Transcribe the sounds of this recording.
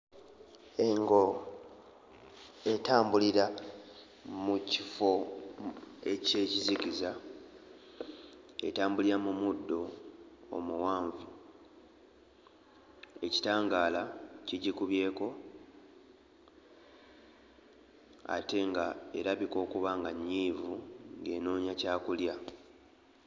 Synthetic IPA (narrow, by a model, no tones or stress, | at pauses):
e̞ŋɡo̞ | e̞taːmbuliɾa | mucifo̞ | e̞ce̞ːcizikiza | e̞̰taːmbuliɾamumudːo̞o̰muwaːɱvu | e̞ci̥taːŋɡaːlaciɟikuβje̞ːko̞ | a̰te̞ŋɡae̞ɾaβiko̞ːkuβaŋɡaɲːiːvuŋɡe̞ːno̞ːɲacaːkulja